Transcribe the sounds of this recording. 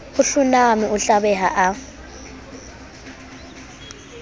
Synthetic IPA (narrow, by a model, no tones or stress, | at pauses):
uɬunamiuɬaβɛɦaʔa